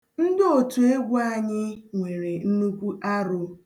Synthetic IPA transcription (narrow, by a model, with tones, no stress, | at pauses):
n̩˦dɪ˦o˨tu˨e˦ɡʷʊ˦a˦˨ɲɪ˦ŋʷe˨ɾe˨n̩˦nu˦kʷu˦ʔa˦ɾʊ˨